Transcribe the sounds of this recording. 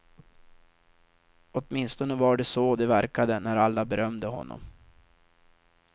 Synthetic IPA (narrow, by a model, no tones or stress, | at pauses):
ɔt̪mɪnst̪ɔnəvaɖɛsɔd̪ɛvæɾkad̪ənæɾalːabɛɾœmd̪əɦɔ̰nːɔ̰m